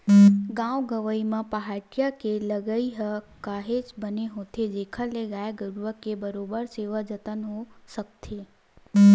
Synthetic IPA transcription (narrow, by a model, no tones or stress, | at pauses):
ɡãʋɡəʋəimãpəɦaʈɪjakeləɡəiɦəkaːɦet͡ʃbəneɦot̪ʰed͡ʒekʰəleɡaːeɡəɾuʋəkːebəɾobəɾseːʋad͡ʒət̪ənɦosək̚t̪ʰe